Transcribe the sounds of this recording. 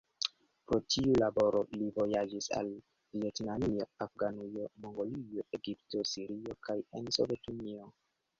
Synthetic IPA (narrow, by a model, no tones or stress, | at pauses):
pɾo̞tʰiulabo̞ɾo̞livo̞jad͡ʒisa̰l | vie̞tnanio̞afɡanujo̞mo̞ŋɡo̞lioe̞ɡipto̞siɾio̞kʰaje̞nso̞̰vetunio̞